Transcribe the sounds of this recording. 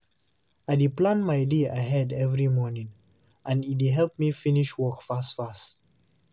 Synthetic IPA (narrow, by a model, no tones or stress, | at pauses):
adeplãnmaɪdeaɪɦɛdɛvɹimɔnĩŋ | ãnit̚deɦɛlp̚mifiniʃwɔkfastfast